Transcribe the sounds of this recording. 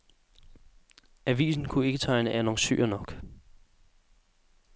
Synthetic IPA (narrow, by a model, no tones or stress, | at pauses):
æʋḭːsn̩kʰue̝ɡ̥ət͡sʰɑ̈ɪnəʔænosy̰ːɐnɒ̽ɡ̥